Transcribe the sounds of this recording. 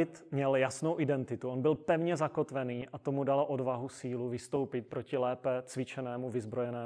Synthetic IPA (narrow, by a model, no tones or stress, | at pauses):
ɪt̪mɲɛljasno̞wʔɪdɛnt̪ɪt̪uonbɪlpɛvɲɛzako̞t̪vɛniːʔat̪o̞mudaloʔodvaɦusiːluvɪst̪o̞wpɪt̪̚pɾo̞cɪlɛːpɛt͡svɪt͡ʃɛnɛːmuvɪzbɾo̞jɛnɛː